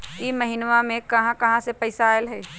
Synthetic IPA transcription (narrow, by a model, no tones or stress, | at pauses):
iːmɐɦɪnʋamẽkɐɦãkɐɦãsepɐɪsaːelɦɛː